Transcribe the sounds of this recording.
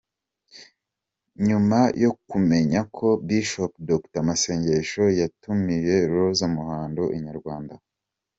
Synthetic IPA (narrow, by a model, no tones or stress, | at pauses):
ɲumajʔokume̞ɲakʰo̞biʃopdoktamase̞ːɲɟeʃo̞jatumije̞ɾozamuhaːndoʔiɲaɾɡwaːnda